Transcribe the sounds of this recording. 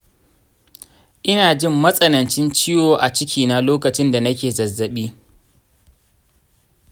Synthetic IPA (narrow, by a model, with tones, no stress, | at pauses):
ʔɪ˦naː˨d͡ʒɪ˦mːɐ˦sʼɐ˨nɐ˨nt͡ʃɪ˦nt͡ʃɪ˦joː˨ʔa˨t͡ʃɪ˦kʲʰiː˨na˨loː˦kɐ˨t͡ʃɪ˦nda˨nɐ˦kʲeː˨zɐ˨zːɐ˨ɓiː˦